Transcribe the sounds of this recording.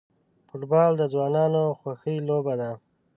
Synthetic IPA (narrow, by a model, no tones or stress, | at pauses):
foʈbɑld̪əzwɑnɑnoxwaxəjlobad̪a